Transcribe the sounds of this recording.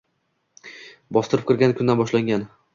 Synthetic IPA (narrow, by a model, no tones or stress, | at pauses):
bɒst̪ɪɾɪpkʰɨɾɡʲankʰʊnd̪anbɒʃlaŋɡʲan